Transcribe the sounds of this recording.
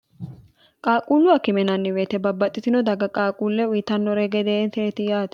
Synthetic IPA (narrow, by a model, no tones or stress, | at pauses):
kʼaːkʼuːlːʊɐkɪmɛnɐnːɪweːt̪ɛbɐbːɐt̪ʼːɪt̪ɪnɔd̪ɐɡɐkʼaːkʼuːlːɛʊjɪt̪ɐnːɔɾɛɡɛd̪eːnseːt̪ɪjaːt̪ɛ̥